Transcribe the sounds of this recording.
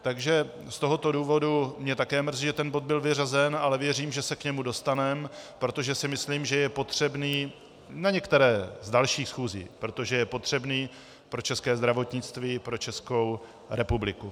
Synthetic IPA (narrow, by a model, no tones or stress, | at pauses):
t̪aɡʒɛ | st̪o̞ɦo̞t̪o̞duːvo̞dumɲɛt̪akɛːmr̩ziʒɛt̪ɛnbo̞d̪̚bɪlvɪr̝azɛnalɛvjɛriːmʒɛsɛkɲɛmudo̞st̪anɛmpɾo̞t̪o̞ʒɛsɪmɪsliːmʒɛjɛpo̞t̪r̝̥ɛbniː | naɲɛkt̪ɛɾɛːzdalʃiːxsxuːzḭːpɾo̞t̪o̞ʒɛjɛpo̞t̪r̝̥ɛbniː | pɾo̞t͡ʃɛskɛːzd̪ɾavo̞t̪ɲɪt͡st̪viːpɾo̞t͡ʃɛsko̞w | ɾɛpublɪku